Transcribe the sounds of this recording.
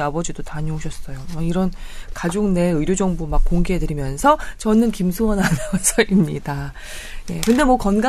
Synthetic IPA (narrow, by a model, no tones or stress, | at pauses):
abʌd͡ʑidotaɲoɦoɕʰʌs͈ʌjoʌiɾʌn | kad͡ʑoŋne̞ɯɾjod͡ʑʌŋbumak̚k͈oŋɡeɦedɯɾimjʌnsʰʌt͡ɕʌnɯnkimsʰuwʌnanɯʌsʰʌimɲid̥a | je̞kɯnde̞mwʌkʌnɡa